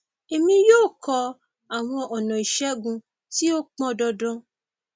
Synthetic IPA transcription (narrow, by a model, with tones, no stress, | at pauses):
e˨mĩ˧joː˦˨kʰɔ˧ | a˨w̃ɔ̃˧ʔɔ˨nɔ̃˨i˨ʃɛ˦ɡũ˧ | ti˦o˦k͡pɔ̃˧dɔ˧dɔ̃˦